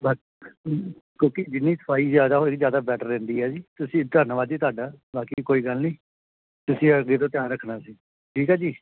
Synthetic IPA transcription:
baː | kõːkid͡ʒɪnːiːsə̥paːiːzjaːd̪aːɦoːkzjaːd̪aːbɛːʈəɾːɛ̃ːnd̪iːɛːd͡ʒiːt̪ʊsĩːt̪əɾnʋaːd͡ʒiːt̪oaːɖaːbaːkiːkoːiːɡəlnĩː | t̪ʊsĩːəɡeːt̪õːt̪ɪjãːnɾəkʰːnaːsiː | ʈʰiːkɦɛːd͡ʒiː

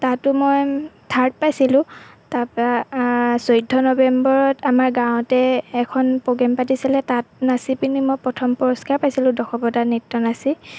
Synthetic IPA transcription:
tatʊmojtʰaɹt̚pajsilʊ̃taɹpɔɹasojdʱɔnɔbɛmbɔɹɔtamaɹɡãʊ̃tɛːkʰɔnpɔɡɛmpatisilɛtatnasipinimojpɹɔtʰɔmpɔɹɔskaɹpajsilʊ̃dɔxʰɔpɔtanitːɔnasi

